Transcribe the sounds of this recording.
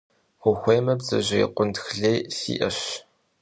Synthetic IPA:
χʷʊxʷeːjmɐbzɨ̰ʑɪj̰qʷʊntxɮeːsḭːʔɐɕ

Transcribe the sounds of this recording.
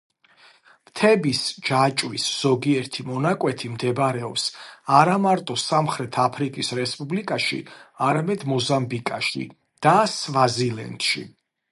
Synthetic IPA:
mt̪ʰɛbisd͡ʒat͡ʃʼwisz̥ɔɡiɛɾt̪ʰimɔnakʼwɛt̪ʰimd̪ɛbɾɛɔpsaɾamaɾt̪ʼɔsamχɾɛt̪ʰapʰɾikʼisɾɛspʼublikʼaʃḭaɾamɛd̪mɔzambikʼaʃḭ | d̪̥asvazilɛ̰nt̪ʃḭ

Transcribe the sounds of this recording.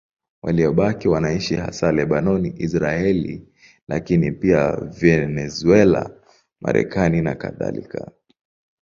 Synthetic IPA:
waliɔɓakiwanaiʃiha̰salɛɓanɔniʔisɾaɛlḭ | lakinipiavɛnɛzuɛla̰ | mʔa̰ɾʔɛ̰kaninakaða̰lḭka

